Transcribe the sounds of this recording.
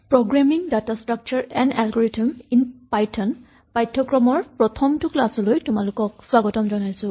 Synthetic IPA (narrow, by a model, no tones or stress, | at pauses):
pɹoɡɹamiŋdatastɹak̚t͡ʃɔɹɛna̰lɡɔɹitiminpajtʰɔn | pajtʰːɔkɹɔmɔɹpɹɔtʰɔmtuklasɔlojtʊmalukɔk̚swaɡɔtɔmzɔnajsʊ̃